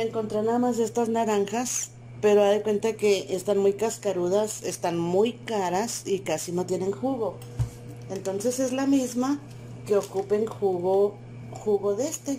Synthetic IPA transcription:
eŋko̞nt̪ɾenaðamazðe̞st̪aznaɾaŋxas | pe̞ɾoaðekwe̞nt̪ake̞ʔest̪anmujkaskaɾuðasest̪anmujkaɾasikasino̞t̪je̞ne̞ŋxuɣo̞ | e̞nt̪o̞nse̞se̞zlamizma | ke̞okupe̞ŋxuɣo | xuɣo̞ðe̞st̪e̞

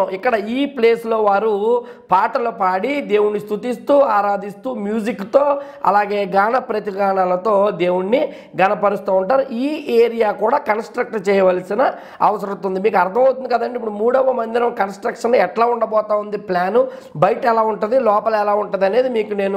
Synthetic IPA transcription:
ikːɐɽɐiːple̞ːslo̞ːʋaːɾu | paːʈɐloːpaːɽid̪e̞ːwunːist̪ut̪ist̪uːaːɾaːd̪ist̪uːmjuːd͡ʒikːt̪o̞ː | ɐ̰laːɡe̞ːɡaːɳɐpɾɐt̪iɡaːɳaːlɐt̪o̞ːd̪e̞ːwuɳːi | ɡɐnɐpɐɾust̪aːuɳʈaːɾuiːeːɾijaːkuːɽaːkɐnsʈɾɐk̚ʈt͡ʃɛːjɐʋɐlsinɐ | ɐʋɐsɐɾut̪und̪imiːkuɐɾd̪ʰʱɐmɐwt̪und̪ikɐd̪ɐɳɖeip̬ːuɽumuːɽɐʋɐmɐnd̪inɐmkɐnsʈɾɐkʂɐnnɛʈlaːuɳɖɐbɔːt̪aːund̪iplaːnu | bɐjʈɛlaːuɳʈund̪ilɔːpɐlɛlaːuɳʈɐnd̪ɐne̞ːd̪imiːkune̞ːnu

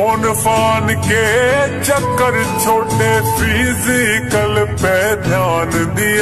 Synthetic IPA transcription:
onpaːnket͡ʃəkːəɾt͡ʃʰoːʈepʰizɪkəlpɛd̪ʱjaːnd̪ɪ

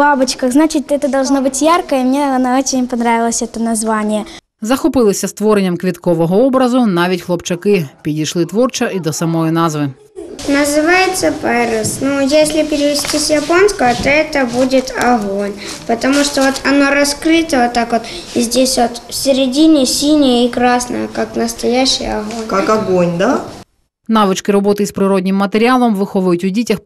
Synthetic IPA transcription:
babʊt͡ʃkɐxznat͡ɕɪtʲɛt̪əd̪ɐlˠʐnobɨtʲjarkəimnʲeɐnaot͡ɕɪnʲpɐnɾavʲɪlˠəsʲɛt̪ənɐzʋanʲɪjə | zɐxɔpɪlˠɪsʲɐst̪ʋɔɾenʲːɐmkʋʲit̪kɔʋɔɦɔɔbɾɐzʊnɑʋʲitʲxlˠɔpt͡ʃɐkɪpʲidʲijʃlˠɪt̪ʋɔrt͡ʃɐid̪ɔsɐmɔjinɑzʋɪ | nəzɨvajɪt̪sːəpɛɾəsnujesʲlʲɪpʲɪɾʲɪʋʲɪsʲtʲisʲjɐponskəvət̪oɛt̪əbudʲɪt̪ɐɣonʲ | pət̪ɐmuʂt̪ovot̪ʰɐno̞ɾɐskɾɨt̪əvot̪ːakvot̪ | zʲdʲesʲvot̪fsʲɪɾʲɪdʲinʲɪsʲinʲɪjəikɾasnə̰jəkaknəst̪ɐjæɕːɪ̰jɐɣonʲkakɐɡonʲd̪a | navɨt͡ʃkʲɪɾɐbo̞t̪ɨspɾʲɪɾod̪ʲnʲɪmːət̪ɪɾʲɪalˠɐmvɨxovɐjʊtʲʊdʲetʲɪx

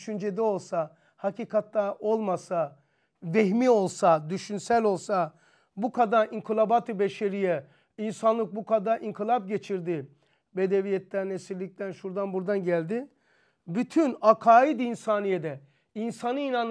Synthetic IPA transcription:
ʃynd͡ʒed̪ɛo̞lˠsa | hacʰiːkʰat̪lao̞lˠmasa | veɦmiːo̞lˠsad̪yʃynsælʲo̞lˠsa | bukʰad̪aiŋkʰɯlˠabat̪ʰɯbeʃe̞ɾijɛ | insanlˠɯk̚bukʰad̪aʔiŋkʰɯlˠap̚ɟe̞t͡ʃʰiɾd̪i | be̞d̪evijɛt̪lʲænesiɾlʲːic̚t̪ʰænʃuɾd̪anbuɾd̪anɟælʲd̪i | byt̪ʰynakʰaːid̪insaːnijed̪ɛ | insanɯinan

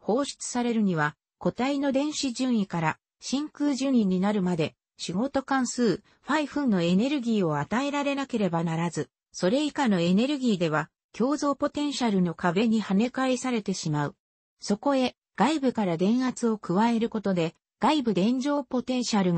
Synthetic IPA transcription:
ho̞ːɕi̥t͡sɨ̥saɾe̞ɾɯ̟ɲ̟iβ̞a | ko̞t̪aino̞d̪ẽ̞ɰ̃ɕiʑɨ̃ɰ̃ikaɾa | ɕĩŋkɯːʑɨ̃ĩɲ̟ːinaɾɯ̟mad̪e̞ | ɕiɡo̞t̪o̞kãɰ̃sɨː | ɸaiɸɯ̟̃nːo̞e̞ne̞ɾɯ̟ɡʲiːo̞at̪ae̞ɾaɾe̞nake̞ɾe̞banaɾazɨ | so̞ɾe̞ikano̞e̞ne̞ɾɯ̟ɡʲiːd̪e̞β̞a | kʲo̞ːzo̞ːpo̞t̪ẽ̞ɰ̃ɕaɾɯ̟no̞kaβe̞ɲ̟ihane̞kaisaɾe̞t̪e̞ɕimaɯ̟ | so̞ko̞e̞ | ɡ̥aibɯ̟kaɾad̪ẽ̞ɰ̃hat͡sɨo̞kɯ̟βae̞ɾɯ̟ko̞t̪o̞d̪e̞ | ɡ̥aibɯ̟d̪ẽ̞ɲd͡ʑo̞ːpo̞t̪ẽ̞ɰ̃ɕaɾɯ̟

